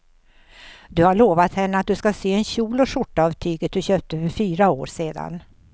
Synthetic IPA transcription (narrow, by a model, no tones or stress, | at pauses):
d̪ɵhaɭoːvat̪hɛnːəat̪̚d̪ɵskaseːɛnɕuːlɔʂʊʈːɑːvt̪ʰyːɡət̪̚d̪ɵɕøːp̚t̪əfœɾfyːɾao̰ːɾseːd̪a̰n